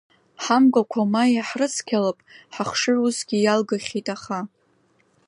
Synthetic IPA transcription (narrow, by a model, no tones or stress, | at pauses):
ħamɡʷʼakʷʰamajaħrɨt͡sʰkʲʰalapʼħaχʂɨrusɡʲijalɡaχʲitʼaχa